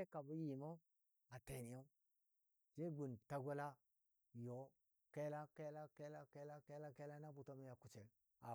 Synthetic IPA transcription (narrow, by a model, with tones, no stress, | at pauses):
e˦ka˨bu˦ji˨mo˦ | a˨te˨ni˨jo˦ | d͡ʒe˦ɡu˨nta˦ɡʷa˦la˦ | jo˨˦ | ke˦la˦ke˦la˦ke˦la˦ke˦la˦ke˦la˦ke˦la˦na˦bu˨to˦mi˦ja˨ku˨t͡ʃe˨l | a˨